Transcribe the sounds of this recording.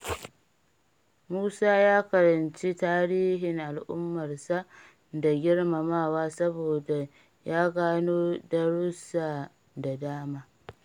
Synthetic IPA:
muː˦saː˦jaː˦kɐ˨ɾɐ˨nt͡ʃi˦taː˦ɾiː˦ɦɪ˨ŋʔa˨lʔʊ̰˦mːɐ˨rsa˦ | da˨ɡʲɪ˦ɽma˨maː˦˨waː˦sɐ˦boː˨da˨ | jaː˦ɡaː˦noː˦dɐ˦ɽʊ˦saː˨ | da˨daː˦maː˦

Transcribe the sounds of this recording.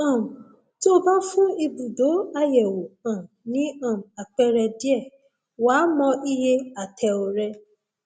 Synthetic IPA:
ã˨ũ˨ | to˦bã˦fũ˦i˧bu˨do˨˦a˧jɛ˨wo˨ã˨nĩ˨˦ã˦˨a˨k͡pɛ˦ɾɛ˧di˦ɛ˦˨ | waː˨˦mɔ̃˧i˦je˧a˨tʰɛ˧o˨ɾɛ˧˦

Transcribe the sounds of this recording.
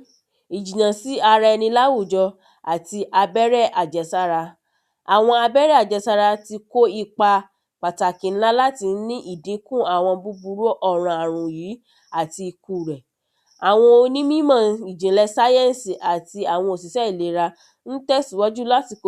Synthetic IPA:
i˨d͡ʒĩ˨jã˨si˦a˧ɾa˧nĩ˧la˦wu˦˨d͡ʒɔ˧ | a˨ti˧ʔa˧bɛ˦ɾɛ˦ʔa˨d͡ʒɛ˨sa˧ɾa˧ | a˨w̃ɔ̃˧a˧bɛ˦ɾɛ˦a˨d͡ʒɛ˨sa˧ɾa˧ti˧ko˦i˦˧˨k͡pa˧ | k͡pa˨ta˨kĩ˨˦la˦la˦ti˧n̩˦nĩ˦ʔi˦˨de˨˦kũ˦˨a˨w̃ɔ̃˧bu˧bu˧ɾo˦ʔɔ˦˨ɾ̃ã˧a˨ɾ̃ũ˨jiː˨˦ | a˦˨ti˧i˧ku˨ɾɛ˨ | a˨w̃ɔ̃˧o˧nĩ˦mĩ˦mã˦˨i˨d͡ʒĩ˨lɛ˧sa˦jɛ̃˦˨n˨si˨ʔa˨ti˧a˨w̃ɔ̃˧o˨s̬i˨sɛ˦i˦˨le˨˦ɾa˧ | n̩˦tɛ˦˨si˨wɔ˦d͡ʒu˦la˦ti˧ko˦

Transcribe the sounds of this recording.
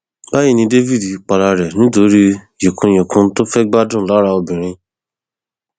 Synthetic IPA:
ba˦ji˦˨nĩ˧de˦vi˦˨di˨k͡pa˨ɾa˨ɾɛ˨nĩ˦to˨˦ɾi˦ | je˨kʰũ˧j̃ĩ˨kũ˧˦to˦fɛ˦ɡ͡ba˦dũ˦˨la˨˦ɾa˧o˧bĩ˨ɾ̃ĩ˧

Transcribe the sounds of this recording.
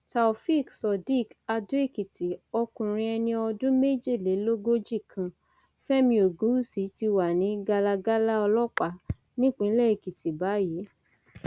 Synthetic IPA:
ta˨o˨fi˦˨ksɔ˨di˦˨ka˧du˦e˦˨ki˨ti˨ɔ˧kũ˨ɾ̃ĩ˧ɛ˧nĩ˧ɔ˧dũ˦me˦˨d͡ʒe˦˨le˨˦lo˦ɡo˦d͡ʒi˦˨kʰã˧ | fɛ˦mĩ˧o˨ɡũ˨˦u˦˨si˨˦ti˧wa˨nĩ˨˦ɡa˧la˧ɡa˦la˦ɔ˧lɔ˦k͡pa˨ | nĩ˦˨k͡pĩ˨˦lɛ˦e˨ki˨ti˨ba˨˦ji˨˦

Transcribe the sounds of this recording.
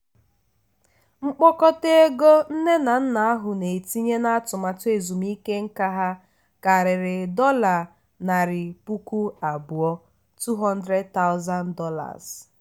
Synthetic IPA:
ŋ͡m̩˦k͡pɔ˦kɔ˦te˦e˦ɡo˦n̩˦ne˦na˨n̩˦na˨a˦ɦʊ˨ne˨ti˦ɲe˦na˦a˦tʊ˨ma˨tʊ˦e˨zu˨mi˦ke˦ŋ̩˦ka˦ɦa˦ | ka˨ɾɪ˨ɾɪ˨dɔ˦la˨ | na˨ɾɪ˨pu˦ku˦a˨bʊ˨ɔ˦ | tu˦ɦɔ˦n̩˦dɾe˦d̚ta˦ʊ˦za˦ndɔ˦la̰˨z̥

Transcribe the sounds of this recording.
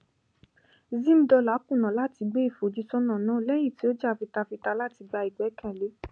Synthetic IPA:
zĩ˦m̩˦dɔ˧la˨˦kũ˦˨nã˨la˦˨ti˧ɡ͡be˦i˦˨fo˨d͡ʒi˨˦sɔ˦nã˨nã˦˨lɛ˦j̃ĩ˦˨ti˨˦o˦d͡ʒa˦˨fi˧ta˧fi˧ta˧la˦ti˧ɡ͡ba˧i˨ɡ͡bɛ˨˦kɛ̃˦˨le˨˦

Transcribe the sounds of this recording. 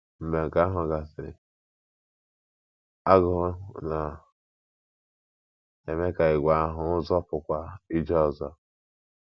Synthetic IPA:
m̩˨be˨ŋ̩˨ka˦a˦ɦʊ˨ɡa˨sɪ˨ɾɪ̰˨ | a˦ɣʊ˨ɦʊ˦na˨ | e˨me˦ka˨ɪ˨ɡʷa˦a˦ɦʊ˨ʊ˦zɔ˦pʊ˨kʷa˦i˦d͡ʒɔ˦˨zɔ˦

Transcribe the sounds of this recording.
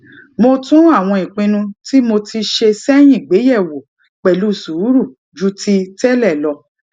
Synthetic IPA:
mo˧tũ˦a˦˨w̃ɔ̃˧ĩ˨k͡pĩ˧nũ˧ti˦mo˧ti˧ʃe˧sɛ˦j̃ĩ˦˨ɡ͡be˨˦jɛ˦˨wo˨ | k͡pɛ˨lu˨˦su˨˦ɾu˦˨ | d͡ʒu˨˦ti˧˦tɛ˦lɛ˦˨lɔ˧

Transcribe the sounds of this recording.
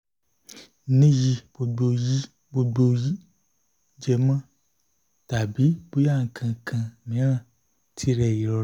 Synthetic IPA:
nĩ˦ji˧b̥o˧ɡ͡bo˧ji˦ | bo˧ɡ͡bo˧ji˦ | d͡ʒɛ˧˨mã˦˨ | ta˨bi˨˦b̥o˦ja˦˨ŋ̩˨kʰã˧˨kʰã˧mĩ˨˦ɾ̃ã˦˨ | tʰi˨˦ɾɛ˧˨ji˨ɾɔ˧˦

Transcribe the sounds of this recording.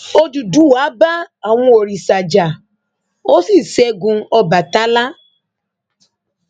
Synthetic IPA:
o˦du˨du˨˦wa˨˦ba˦a˨wɔ̃˦o˨ɾi˨sa˨d͡ʒa˨ | o˦si˦˨se˦ɡũ˧˦ɔ˦ba˨ta˦la˦

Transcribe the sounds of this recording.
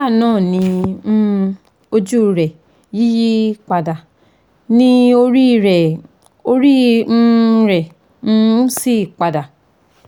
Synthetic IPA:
a˦˨nãː˦˨nĩ˧˦ | o˧d͡ʒu˦˧ɾɛ˨ | ji˦ji˦k͡pa˧da˨ | nĩ˧o˧ɾi˦˧ɾɛ˨ | o˧ɾĩ˦˧˦ | ɾɛ̃˨˦˧ | si˦˨k͡pa˧da˨

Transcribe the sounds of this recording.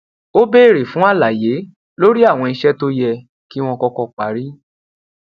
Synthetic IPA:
o˦be˦˨ɾe˨fũ˨˦a˦˨la˨je˨˦ | lo˦ɾi˦a˦˨w̃ɔ̃˧i˧ʃɛ˦to˦jɛ˧ | ki˦w̃ɔ̃˧kɔ˧kɔ˧k͡pa˨˦ɾi˦

